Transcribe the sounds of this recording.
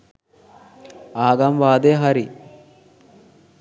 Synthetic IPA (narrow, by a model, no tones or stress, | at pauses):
aːɡamʋaːd̪eɦɐɾi